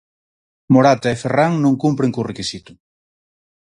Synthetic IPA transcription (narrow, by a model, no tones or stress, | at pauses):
moɾat̪aeferaŋnõŋkumpɾeŋkorekisit̪ʊ̥